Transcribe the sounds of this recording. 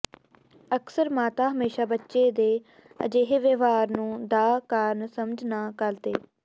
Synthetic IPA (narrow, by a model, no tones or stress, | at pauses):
əksəɾmaːt̪aːɦəmeːʃaːbətːʃeːd̪eː | ə̰d͡ʒeːɦeʋeʋaːɾnũːd̪aːkaːɾnsəməd͡ʒnaːkəlt̪ḛː